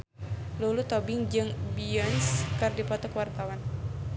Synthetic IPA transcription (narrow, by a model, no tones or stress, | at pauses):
lulut̪ɔbɪŋd͡ʒɨŋbiɔnskɨrdipɔt̪ɔkwart̪awan